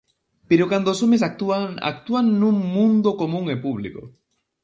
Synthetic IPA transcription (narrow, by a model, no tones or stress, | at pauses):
peɾokand̪oːsomesak̚t̪uana̰k̚t̪uanːũŋmũnd̪okomũŋepuβliko̰